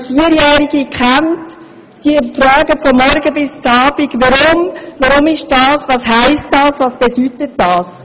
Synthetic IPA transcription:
fiəɾjæːɾiɡikχæmt | d̥iəfɾœːɡəfɔmːɔɾɡəbɪst͡sɑːb̥iɡ̥ʋɑɾʊmvɑɾʊmɪʃd̥ɑːsʋɑːsɦæɪstdɑːsvɑːsb̥ɛd̥ytətd̥ɑːs

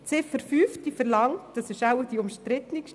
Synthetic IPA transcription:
t͡sɪfəɾfyːftifəɾlɑŋtd̥ɑsɛʃawəd̥iʊmʃtɾɪtnikʃ

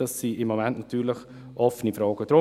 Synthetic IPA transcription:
ɑsːiɪmːomɛntnɑt̪ʰyːɾləx | ʔɔfənifɾɑːɡ̥əd̥ɾʊ

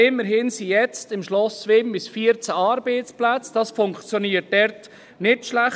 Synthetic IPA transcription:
ɪmːəɾɦɪnsijɛt͡stɪmʃlɔsʋɪmbɪsfiːəɾt͡sæɑːɾbeɪt͡splæt͡sd̥ɑsfʊŋkt͡sjoniːət̚d̥ɛɾt | nɪtʃlæχ

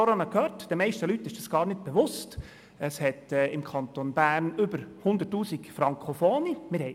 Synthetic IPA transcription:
ɔɾɑnəkʰøːɾtd̥ɛmɛɪʃtəlyt̪ːɪʃd̥ɑsɡ̥ɑːɾnɪt̚b̥ɛʋʊst | əshɛtɛɪmkʰɑnt̪onbæːɾnʏbəɾhʊnd̪ətːuːsikfɾɑŋkχofɔːnimɪɾhɛ

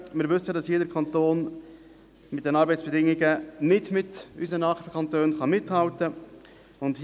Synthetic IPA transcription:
mɪːɾʋʏsədɑsjeːdəɾkʰχɑnt̪oːn | mɪt̚d̥ɛnɑːɾbɛɪt͡ssb̥ɛdɪŋiɡənɪdmɪty̰sənɑːχəkʰɑntøːnχɑmɪthɑltə | ʊndh

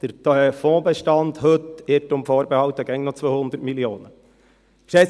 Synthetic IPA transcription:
d̪̥əɾt̪ʰfɔ̃ːbəʃtɑnd̪hɵt̪ɪʈʊmfoːɾbəhɑlt̪əɡɛŋnot͡sʋoːhʊnd̪əɾtmilioːnə | ʃɛ

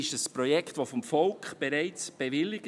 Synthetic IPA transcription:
ɪʃəsprɔjɛktvofɔmfɔlkχb̥ɛɾaɪt͡sb̥ɛvɪlːɪɡ

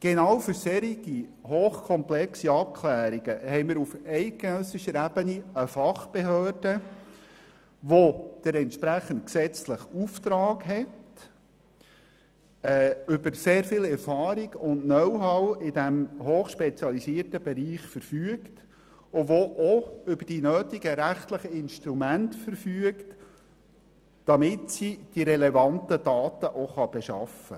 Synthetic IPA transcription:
ɡ̥enɑːwfʏɾseɾiɡi | hoːχkʰɔmplɛksiɑp̚kʰlæːɾiɡ̥əhɛɪmɪɾufɛɪɡ̥enœsɪʃəɾæb̥əniəfɑχb̥eɦøːrdə | ʋɔd̥ɛɾɛntʃpɾæχənt̚ksɛt͡sləχuft̪ɾɑːɡɦɛt | ɛːʏbəɾseːɾfɪlɛɾfɑːɾiɡʊndnœwɦɑwɪdæmɦoːχʃpɛt͡sjɑlisiːrtəbɛɾiːχfəɾfyəkt | ʊʋoʔɔʏbəd̥inøːt̪iɡəɾæχt̪ləχəɪnʃtɾumæntfəɾfyəkt | d̥ɑmɪtsid̥iɾɛlɛvɑntəd̥ɑːt̪əʔoχɑb̥ɛʃɑ̰fə̰

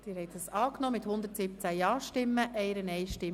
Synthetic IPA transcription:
d̪̥ɪːɾhɛɪt̪əsɑːknɔːmɪt̪hʊnd̪əɾtsɪbət͡sæjɑːʃtɪmːəʔɛɪɾənɛɪʃtɪ

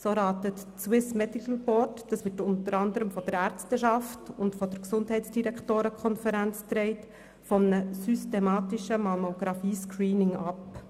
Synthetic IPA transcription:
soːɾɑːtətswɪsmɛdikəl̩bɔɾtd̥ɑsʋɪtʊntəɾɑndəɾəmfɔdəɾæːɾt͡stəʃɑftʊntfɔd̥əɾksʊndɦɛɪtt͡sd̥iɾæktoːɾəkʰɔnfəɾænt͡st̪ɾɛɪt | fɔmənəsystemɑːtɪʃəmɑmoɡɾɑfiːskɹiːnɪŋɑp

